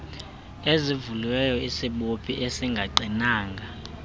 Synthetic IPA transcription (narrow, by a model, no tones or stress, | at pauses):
ezivulwɛjɔisiɓopʰiʔɛsiŋɡʱaǃinaːŋɡʱa